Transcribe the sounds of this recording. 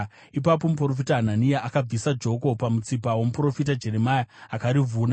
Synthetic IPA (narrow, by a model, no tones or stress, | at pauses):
ip̬ap̬o̞mup̬ro̞f̬itaɦananijaʔakab͡visad͡ʒo̞ko̞pamut͡sipawomupro̞fitad͡ʒe̞ɾemajaakaɾivuːna